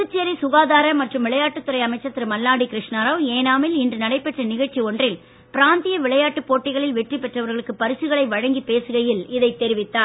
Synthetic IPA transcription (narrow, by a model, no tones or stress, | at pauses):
ɯt͡ʃːeɾisʊɣaːðaːɾɐmɐʈrɯmʋɪɭɐjaːʈːɯt̪ːɯɾɐɪɐmɐɪt͡ʃːɐt̪ːɪɾɯmɐlːaːɽikɪɾɪʂɳaɾɐʋeːnaːmɪlɪndrɯnɐɽɐɪpːɛʈrɐnɪɣɐɻt͡ʃːiɔndrɪl | pɪɾaːnt̪ɪjɐʋɪɭɐjaːʈːɯpːoːʈːɪɣɐɭɪlʋɛʈripːɛʈrɐʋɐɾɣɐɭɯkːɯpɐɾɯsɯɣɐɭɐɪʋɐɻɐŋɡipeːsɯɣɐjɪlɪðɐɪt̪ːɛɾɪʋɪt̪ːaːn